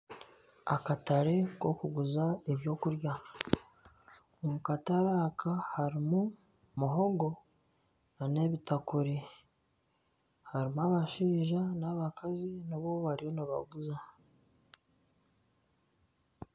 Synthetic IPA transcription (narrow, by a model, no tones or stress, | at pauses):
a̰kataɾe̞ko̞kuɡuzaeβjo̞kuɾja | mukataɾaːkʰahaɾimu | muɦo̞ɡo̞ | nane̞βitakuɾi | haɾimaβaʃiːʒanaβakʰaziniβo̞βaɾijo̞naβa̰ɡuza